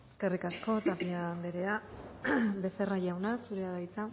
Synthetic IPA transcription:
eske̞rikasko̞t̪apiand̪eɾe̞a | be̞feraʝawnasuɾeaðajt͡sa

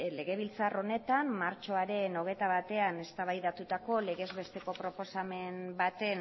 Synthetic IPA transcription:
le̞ɣe̞β̞ilt͡saro̞ne̞t̪ammaɾt͡ʃo̞aɾe̞no̞ɣ̞e̞t̪aβat̪e̞ane̞st̪aβajðat̪ut̪ako̞le̞ɣe̞zβe̞st̪e̞ko̞pɾo̞po̞same̞nbat̪e̞n

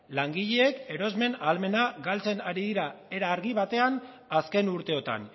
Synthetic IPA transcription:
laŋɡiʎeːke̞ɾo̞zme̞nalme̞naɡalt͡se̞naɾiðiɾae̞ɾaːɾɣiβat̪e̞an | aske̞nuɾt̪e̞o̞t̪a̰n

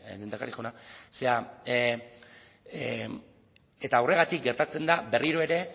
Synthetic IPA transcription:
d̪end̪aka̰ɾixonase̞a | e̞t̪aːwre̞ɣ̞at̪ik̚ɡe̞ɾt̪at͡se̞nd̪abe̞riɾoe̞ɾe̞

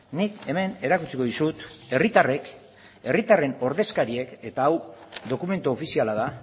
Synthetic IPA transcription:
nike̞me̞ne̞ɾakut͡siko̞ðisut̪e̞rit̪are̞k | e̞rit̪are̞no̞ɾðe̞skaɾie̞ke̞t̪aːwðo̞kume̞nt̪uo̞fisialaða

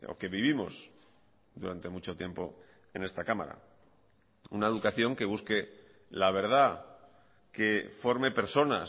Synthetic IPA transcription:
o̰ke̞βiβ̞imo̞s | ðuɾant̪e̞mut͡ʃo̞t̪je̞mpo̞ | e̞ne̞st̪akama̰ɾa̰ | unaeðukaθjo̞ŋke̞βuske̞ | laβ̞e̞ɾð̞a | ke̞fo̞ɾme̞pe̞ɾso̞na̰

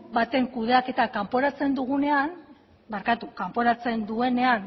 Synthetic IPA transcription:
bat̪e̞ŋkuð̞e̞ake̞t̪akampo̞ɾat͡se̞nd̪uɣ̞une̞an | beaɾkat̪ukampo̞ɾat͡se̞nd̪ue̞ne̞an

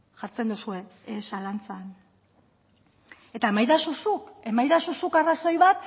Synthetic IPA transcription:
ʝaɾt͡se̞nd̪usue̞salant͡saːn | e̞t̪ae̞majðasusuke̞majðasusukaraso̞jβat̪̚

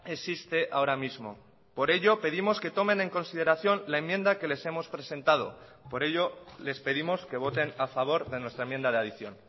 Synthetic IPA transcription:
e̞sist̪e̞ʔa̰o̞ɾamizmo̞̰ | po̞ɾe̞ʎo̞pe̞ðimo̞ske̞t̪o̞mẽ̞ne̞ŋko̞nsið̞e̞ɾaθjo̞nlaemːjend̪ake̞le̞se̞mo̞spɾe̞se̞nt̪að̞o̞̰ | po̞ɾe̞ʎo̞le̞spe̞ðimo̞ske̞βo̞t̪e̞nafaβ̞o̞ɾðe̞nwe̞st̪ɾaemjend̪aðeað̞iθjo̞̰n

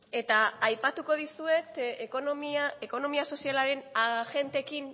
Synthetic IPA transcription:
e̞t̪aːjpat̪uko̞ð̞isue̞t̪konmiaeko̞no̞miaso̞sialaɾe̞naɣe̞nt̪e̞kin

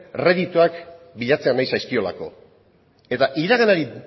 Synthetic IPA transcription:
ere̞ðit̪uak | biʎat͡se̞anajsajskio̞la̰ko̞̰ | e̞t̪aʔiðaɣanaɾi

